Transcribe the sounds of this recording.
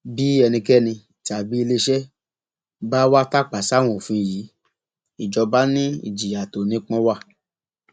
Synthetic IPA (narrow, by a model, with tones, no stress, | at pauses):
bi˨˦ɛ˧nĩ˧kɛ˦˨nĩ˧ | ti˨a˨bi˦i˧le˧ʃɛ˦ | ba˦wa˦ta˦˨k͡pa˨sa˨˦˨w̃ɔ̃˦˨fũ˧˨ji˨˦ | i˨d͡ʒɔ˧ba˦nĩ˦ḭ˦˨d͡ʒi˨ja˨to˨nĩ˦k͡pɔ̃˦wa˦˨